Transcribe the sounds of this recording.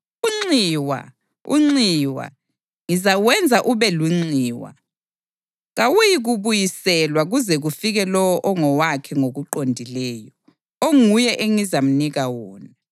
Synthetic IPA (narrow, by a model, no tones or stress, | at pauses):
uŋ͡ǀiːwa̰ | ṵŋ͡ǀiwa̰ | ŋizawɛnd͡zʱaʔuβɛluŋ͡ǀiːwa̰ | ɣawujiɣuβujisɛlwaɣuzɛɣufiɣɛlɔwɔʔɔŋɔwakʰɛŋoɣuǃondʱilɛːjɔ | oŋujɛʔeŋizam̩niɣawɔːna